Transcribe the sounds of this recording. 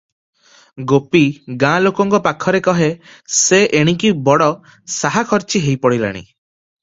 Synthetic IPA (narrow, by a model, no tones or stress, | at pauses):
ɡopiɡãlokɔŋkɔpakʰɔɾekɔɦe | seʔeɽ̃ikibɔɽɔ | saɦakʰɔɾt͡ʃiɦejpɔɽila̰ɽ̃ḭ